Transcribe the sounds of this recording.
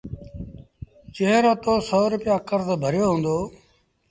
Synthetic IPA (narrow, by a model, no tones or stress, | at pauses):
t͡ʃeɦɾot̪oːsoːɾʊpɪjaːkəɾzbʱəɾjoːɦũːnd̪oː